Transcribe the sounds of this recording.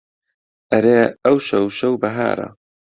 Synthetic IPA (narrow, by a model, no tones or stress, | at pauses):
ʔɐɾeːɐwʃɐwʃɐwbɐɦa̰ːɾɐ̰